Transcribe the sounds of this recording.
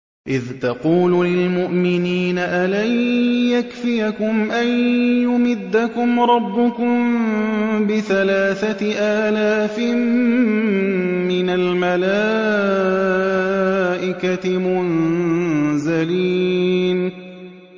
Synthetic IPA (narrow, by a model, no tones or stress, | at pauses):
ʔɪðt̪ɑquːluːlɪlmʊʔmɪniːnaʔalajjakfɪjakʊmʔanjʊmɪd̪ːakʊmɾˤɑbːʊkʊm | bɪθalaːθaʔaːlaːfɪm | ɪnalmalaː | ʔɪkaɪmʊn | zaliːn